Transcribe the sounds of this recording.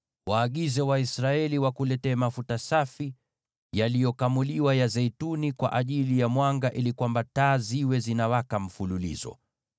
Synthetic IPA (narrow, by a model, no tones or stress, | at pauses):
waːɠizɛwaisɾaɛliwakulɛtɛːmafutasafi | jalijɔkamuliwajazɛitunikwa̰ʔaʄilijamwaŋɡaʔilikwambataːziwɛzinawakam̩fululḭzɔ̰